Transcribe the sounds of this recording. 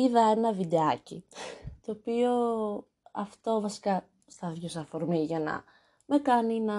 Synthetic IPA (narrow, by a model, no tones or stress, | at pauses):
iðɐenɐvid̪e̞ɐcit̪oːpio̞ | ɐft̪o̞vɐsi̥kɐ | st̪ɐðʝos̬ɐfo̞ɾmiʝɐnɐ̰ | me̞kɐninɐ